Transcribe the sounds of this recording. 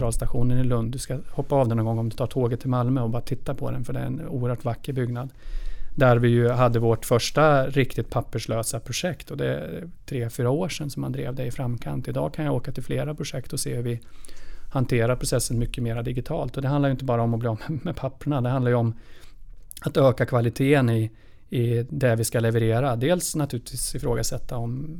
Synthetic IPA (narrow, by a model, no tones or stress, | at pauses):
ɾɑːlst̪aɧuːnənɪlɵnd̪ːɵskahɔpːaɑːvd̪ɛnɔnɡɔŋːɔmd̪ɛt̪ʰɑːʈʰoːɡət̪ʰːɪlmalmœɔbɑːɾat̪ʰɪt̪ːapʰɔd̪ɛ̰nfœɖɛæ̰ɛ̰nuːəɾhœːʈvakːəɾbʏɡnad̪d̪æɾvɪjɵɦad̪ːəvoːʈfœʂʈaɾɪkt̪ɪt̪̚pʰapːəʂɭøːsapʰɾʊʂɛkt̪ɔd̪ɛt̪ʰɾeːfyːɾaoːʂɛnsɔmːand̪ɾḛːvd̪ɛɪfɾamkʰa̰nt̪ɪd̪ɑ̰ːɡkʰanjaoːkat̪ʰɪlfleːɾapʰɾʊʂɛkt̪ɔseːhɵɾvɪ | hant̪ʰeːɾaɾpɾʊsɛsːənmʏkːəmeːɾad̪ɪɡɪt̪ʰɑːlt̪ɔd̪ɛɦand̪lajʏɪnt̪əbɑːɾaɔmɔbliːɔːmɛmɛpʰapːəɳad̪ɛhand̪ajɵɔm | at̪øːkakʰvalɪt̪ʰeːənɪ | ɪd̪ɛvɪskalɛvəɾeːɾad̪eːlsnat̪ʰʉ̟ːlɪt̪ʰviːsɪfɾoːɡasɛt̪ʰːaɔm